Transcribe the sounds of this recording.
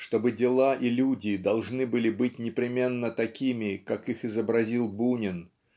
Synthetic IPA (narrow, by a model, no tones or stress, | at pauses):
ʂt̪o̞bɨdʲɪlˠaʔilʲudʲɪd̪ɐlˠʐnɨbɨlʲɪbɨt̚ʲnʲɪpɾʲɪmʲe̞nːət̪ɐkʲimʲɪkakixɪzəbɾɐzʲilˠbunʲɪn